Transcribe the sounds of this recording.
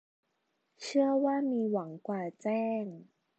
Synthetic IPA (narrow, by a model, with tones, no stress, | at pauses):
t͡ɕʰɯ˥˩əwaː˥˩miː˧wa˩˦ŋkwaː˨˩t͡ɕɛː˥˩ŋ